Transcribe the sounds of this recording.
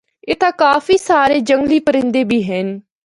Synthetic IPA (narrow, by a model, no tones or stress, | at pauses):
eːt̪ãːkaːfiːsaːɾeːd͡ʒəŋɡliːpəɾɪ̃nd̪eːbiːɦɛn